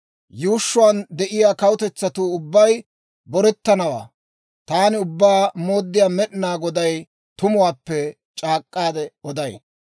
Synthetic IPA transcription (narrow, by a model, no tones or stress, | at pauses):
juːʃːʊwand̪ɛʔɪjaːkɐwʊt̪ɛt͡sːɐt̪uːʊbːɐj | bɔɾɛt̪ːɐnɐwa̰ː | t̪aːnɪʊbːaːmo̞ːd̪ːɪjaːmɛɗɪnaːɡɔd̪ɐj | t̪ʊmʊwaːpːɛ | t͡ʃʼaːkʼːaːd̪ɛɔd̪ɐj